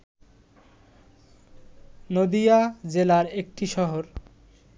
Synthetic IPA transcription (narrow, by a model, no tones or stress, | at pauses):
nod̪ijad͡ʑelaɾek̚ʈiʃɔɦoɾ